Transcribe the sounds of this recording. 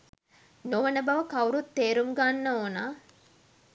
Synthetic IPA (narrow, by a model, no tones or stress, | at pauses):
noʋənəbɐʋəkɐuɾut̪ːeːɾuŋɡanːəoːnaː